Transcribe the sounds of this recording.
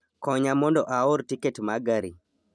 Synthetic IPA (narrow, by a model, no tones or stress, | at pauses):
kɔɲamɔndɔʔaoɾtiketmaɡaɾi